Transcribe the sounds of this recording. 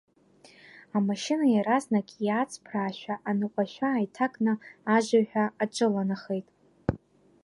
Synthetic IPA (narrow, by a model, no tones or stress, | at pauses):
amaʃɪnajaɾaznakʲʼjat͡sʰʼpʰraːʃᶣʷaʔanɨqʷʼaʃʷᶣaːjtʰakʼnɨaʒʷaħʷᶣaːʈ͡ʂʼɨlanaχejtʼ